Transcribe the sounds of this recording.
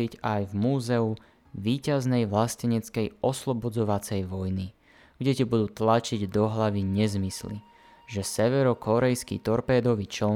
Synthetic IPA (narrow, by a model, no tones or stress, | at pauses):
iɟajvmuːzɛu | ʋiːcaznɛjʋlascɛɲɛt͡skɛjɔslɔbɔd͡zɔʋat͡sɛjʋɔjni | ɡɟɛc̪ibud̪uːt̪lat͡ʃiɟd̪ɔɦlaʋiɲɛzmislḭ | ʒɛsɛʋɛɾɔkɔɾɛjskḭt̪ɔɾpɛːd̪ɔʋit͡ʃɔ